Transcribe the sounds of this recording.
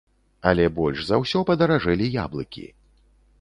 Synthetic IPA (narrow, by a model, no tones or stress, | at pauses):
ɐlʲɛbɔlʲʂzawsʲɔpɐd̪ɐɾaʐɛlʲija̰blˠɨkʲḭ